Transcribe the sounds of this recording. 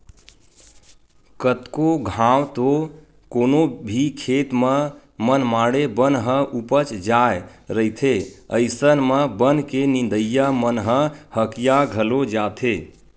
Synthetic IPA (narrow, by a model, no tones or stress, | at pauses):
kət̪koɡʱãwt̪o | koːnobʱikʰet̪mə | mənmaɽebənɦə̃ʔupət͡ʃd͡ʒaeɾəit̪ʰeəɪsənməbənkenĩnd̪əjːamənɦə̃həkijaɡʱəlod͡ʒat̪ʰe